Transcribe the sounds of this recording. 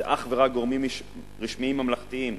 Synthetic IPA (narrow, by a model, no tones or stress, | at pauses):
ʔaχveʁak̚ɡo̞ʁmim | ʁiʃmiimhamlaχt̪iim